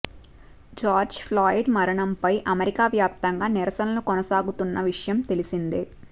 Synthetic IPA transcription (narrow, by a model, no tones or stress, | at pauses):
d͡ʒaːɾd͡ʒpʰlaːjiɖmɐɾɐɳɐmpɐjʔɐmeɾikaːʋjaːp̚t̪ɐŋɡaːniɾɐsɐnɐlukɔnɐsaːɡut̪unːɐʋiʂjɐmt̪e̞lisind̪i